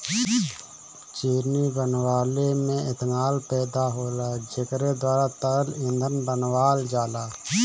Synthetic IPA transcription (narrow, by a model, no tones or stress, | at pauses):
t͡ʃiːɾnibənwaːlemẽɪt̪maːlpɛːd̪aɦoːlaːd͡ʒɪkɾed̪waːɾat̪əəlɪ̃nd̪ʱənbənwaːld͡ʒaːlaː